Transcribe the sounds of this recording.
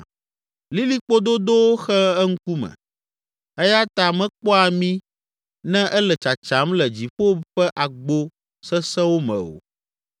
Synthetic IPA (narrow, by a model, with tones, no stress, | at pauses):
li˦li˦k͡po˦d̪o˦d̪o˦wo˦xɛ˦ɛ˦ŋ̩˦ku˦mɛ̰˨ | ɛ˦ja˦t̪a˨mɛ̃˦k͡pɔ˦a˨mĩ˦ | nɛ̃˦ʔɛ˦lɛ˨t͡ʃa˨t͡ʃa˨˦mlɛ˨d͡ʑi˨ɸo˦ɸɛ˦ʔa˨ɡ͡bo˦ | sɛ˦sɛ̃˦wo˦mɛ̰̃˨o̰˨